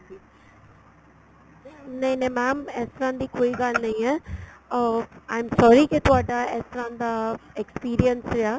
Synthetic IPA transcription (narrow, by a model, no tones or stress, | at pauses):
nẽĩnẽmɛːmɛːst̪əɾãːnd̪iːkoːiɡalnɐ̃ĩɛː | ãːɪmsɔːɾiket̪ʊaːɖaɛːst̪əɾãːd̪aekspiːɾiənsɾeaː